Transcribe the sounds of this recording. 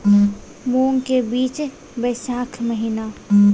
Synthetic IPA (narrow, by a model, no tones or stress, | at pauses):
moːŋkebiːt͡ʃ | bəjʃaːkʰməɦina